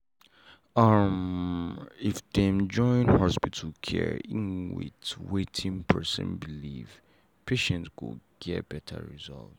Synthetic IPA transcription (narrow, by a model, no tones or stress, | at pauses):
ʌm | ifdɛ̃md͡ʒɔ̃ɪ̃nhɔspitʰl̩kʰɛ̰ɹĩnwɪ̰t͡ʃwetʰĩŋpʰɜ̰˞sə̰̃nbilḭv̥ | pʰeʃɛ̃ntswʊ̰ɡ̥ɛt̚b̥ɛtʰa̰ɹizɔ̰lt